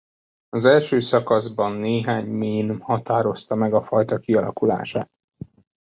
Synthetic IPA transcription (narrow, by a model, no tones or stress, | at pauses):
ɒzɛlʃøːsɒkɒzbɒnːeːɦaːɲmiːnhɒt̪aːɾo̞st̪ɒmɛɡɒfɒjt̪ɒkiɒlɒ̰kula̰ːʃa̰ːt̪̚